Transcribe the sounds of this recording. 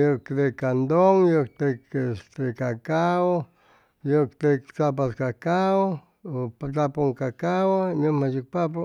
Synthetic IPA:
jokt̪ekand̪oŋjok̚t̪ekest̪ekakao | jokt̪ekt͡sap̬askakao | pt͡sapoŋkakawanomaʃik̚papo

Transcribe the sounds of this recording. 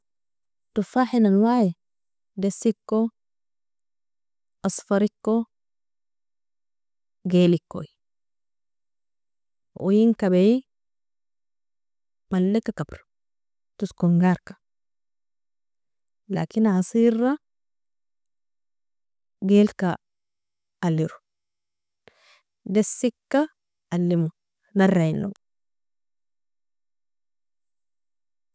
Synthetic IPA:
tufaħinalwaʕi | desikːo | ʔasfaɾikːo | ɡelikːo̰ji | ʔṵjiŋkabei | malːekakabɾu̥ | tuskuŋɡaɾkḁ | la̰ːkinasirːa | ɡelka | lːiɾu̥ | desːikːa | alːimu | narːainːo̰

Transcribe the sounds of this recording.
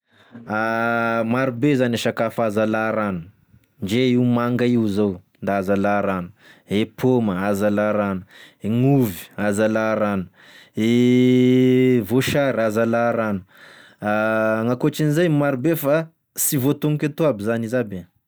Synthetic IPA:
amaɾubezanaʃakafazalaɾanu̥ | ɳd͡ʒeiwmaŋɡaiwzownd̪aazalaɾanu̥ | epʰoməazalaɾanu̥eŋuvi̥azalaɾanu̥ | e | voʃaɾazalaɾanu̥ | aŋakoʈ͡ʂinizajmaɾubefa | sivot̪uŋikʲat̪uabizanizabe

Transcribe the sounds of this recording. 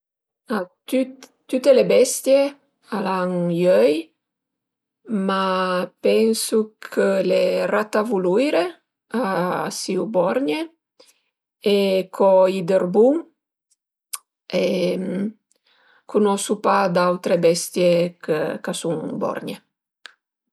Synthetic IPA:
at̪yt̪t̪ːyt̪elebɛst̪je | alaŋjœj | mapɛŋsukʰəlerat̪avuluiɾe | asiubɔɾɲe | ekʰɔid̪eɾbuŋ | em | kʰunɔsupad̪awt̪ɾebɛst̪jekkasuŋbɔ̰ɾɲḛ

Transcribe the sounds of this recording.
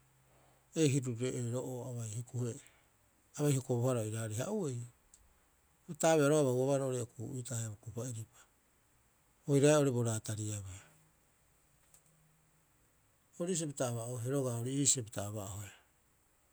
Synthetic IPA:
ejɦiɾuɾeʔeɾoʔoaβajhikuhe | aβajhokoβohaɾaojɾaɾiɦa̰ʔuejo | etaːβeaɾoaβawaβaɾooɾiokuʔuitahebokupaeɾipḁ | ojɾaeo̞ɾibo̞ɾaːtaɾiaβe | oɾis̬epitaːβaooɦeɾo̞ɡaoɾiiːsepitaːβaʔohoe

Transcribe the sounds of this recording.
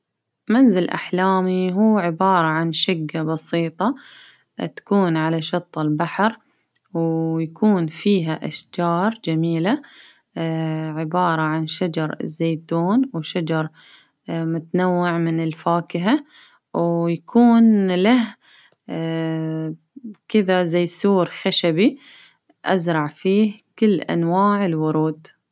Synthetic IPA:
manzɪlʔa̰ħlaːmiɦuːʕɪbɑːɾˤɑʕanʃɪɡːabɑsˤiːt̪ˤɑ | t̪ḁkuːnʕalaʃɑt̪ˤːɪlbaħɾ | wjakuːnfiːɦaʔaʃd͡ʒɑːɾˤd͡ʒamiːla | ʕɪbɑːɾˤɑʕanʃad͡ʒɑɾˤɪ̰zːeːt̪uːnwʃad͡ʒɑɾˤ | mʊt̪anawːɪʕmɪnɪlfaːkɪɦa | wjakʰuːnlah | kɪðazajsuːɾxaʃabi | ʔa̰zɾˤɑʕfiːhkɪlːʔa̰nwaːʕɪlwʊɾˤuːd̪

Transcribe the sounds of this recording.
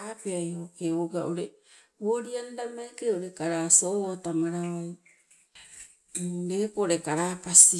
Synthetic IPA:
apeajhokeoɡaʔoɾe | woɾiandamakeoɾekaɾasootamaɾawaj | ɾepooɾekaɾaːpasi

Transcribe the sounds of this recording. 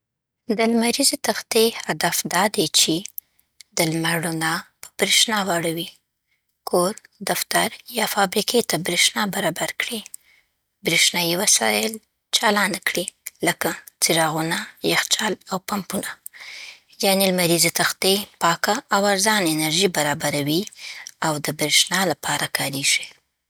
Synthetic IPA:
d̪əlmaɾizet̪axt̪ehad̪afd̪ɑd̪et͡ʃe | d̪əlmaɽonɑpə̥b̥ɾeʃnɑwaɽawi | kʰoɾd̪aft̪aɾjɑfɑbɾiket̪abɾeʃnɑbaɾɑbaɾkɽi | bɾeʃnɑjiwasɑ̰jɪl | t͡ʃɑlɑnkɽiləkat͡siɾɑɣunajaxt͡ʃɑlawpampuna | jɑnelmaɾizet̪axt̪epɑkaːwaɾzɑnenaɾʒibaɾɑbaɾawiawd̪əbɾeʃnɑlapʰɑɾakʰɑɾeʒ̥i

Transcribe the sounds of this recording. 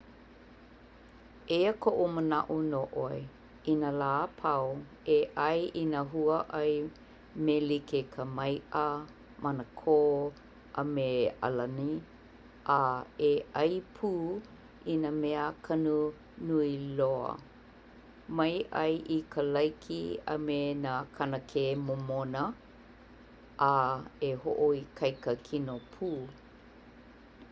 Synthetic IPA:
ejəkʰoʔomənɐ̰ʔunoʔoj | inalaːpʰɐw | eʔɐjʔinaɦuəʔɐj | melikekʰəmɐjʔə | mʔɐnəkʰoː | ʔɐ̰mea̰lɐni | ʔaeʔɐjpʰuː | inameəkʰɐnu | nuiloɐ̰ | mɐjʔɐ̰jʔikʰəlɐjkʰḭɐ̰menakʰɐnəkʰemomonə | ʔaeho̰ʔoikʰɐjkəkʰinopʰuː

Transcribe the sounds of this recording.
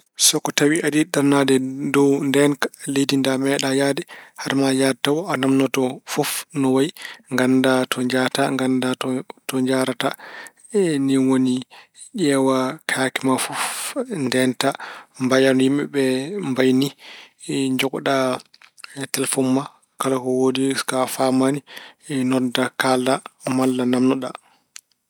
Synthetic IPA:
sɔkːɔtawiʔadiɗanadɛdɔwndɛnkalejdindamɛɗajadɛhaɾmajadtːawɔanamnɔtɔfɔfnɔwajŋɡandatʰɔɲd͡ʒataŋɡandaɔtɔɲd͡ʒaɾata | niwoni | ʔɛːwakʰakɛmafɔfndɛntambajanɔjimɛ̰bɛmbajni | ɲd͡ʒɔkɗa | tɛlfɔmːa | kalakɔwodikafamaninɔdakalːamalːanamnɔɗa

